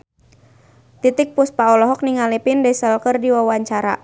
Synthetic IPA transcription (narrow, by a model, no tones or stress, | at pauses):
t̪it̪ɪk̚puspaɔlɔɦɔk̚niŋalipindɛsəlkərdiwawaɲt͡ʃaɾa̰